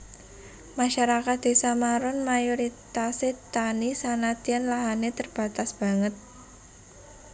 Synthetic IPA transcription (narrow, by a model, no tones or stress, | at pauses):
maʃaɾakat̪̚d̪̥e̤samaɾʊnmajoɾit̪aset̪anisanat̪ianlaɦanet̪ərb̥ä̤t̪asb̥a̤ŋət̪̚